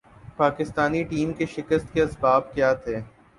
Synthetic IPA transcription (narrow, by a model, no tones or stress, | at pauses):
paːkɪst̪aːniʈiːmkeʃɪkəst̪keɐsbaːb̚kjaːt̪ʰeː